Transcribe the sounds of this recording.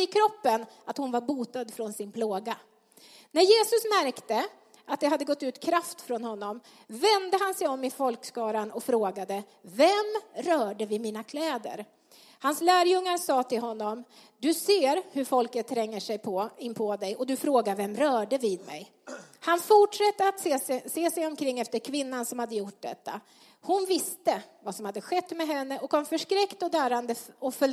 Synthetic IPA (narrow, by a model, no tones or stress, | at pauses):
ɪkʰɾɔpːənat̪hʊnvaɾbuːt̪ad̪fɾɔnsɪnpʰloːɡa | næɾjeːsɵsmæɾkt̪ə | at̪̚d̪ɛɦad̪ːəɡɔt̪ːʉ̟ːt̪kʰɾaft̪fɾɔnhɔnːɔm | vɛnd̪əɦansɛjɔmːɪfɔlkskɑːɾanɔfɾoːɡad̪əvɛmɾœːɖəvɪmiːnakʰlɛːd̪ə̰ɾ | hanslæːɾjɵŋːaɾsɑːt̪ʰɪlɦɔnːɔm | d̪ɵseːɾhɵɾfɔlkət̪ʰːɾɛŋːəʂɛjpʰɔɪnpʰɔd̪ɛjɔd̪ɵfɾoːɡavɛmɾœːɖəvɪd̪mɛ̰j | hanfʊʈʂɛt̪ːəat̪sseːsɛjɔmkʰɾɪŋːɛft̪əɾkʰvɪnːansɔmhad̪ːəjʊʈ̚ːd̪ɛ̰t̪ʰːa̰ | hʊnvɪst̪əvasɔmhad̪ːəɧɛt̪ːmɛɦɛnːəʔɔkʰɔmːfœʂkɾɛkt̪ɔd̪æːɾand̪əɔfɵl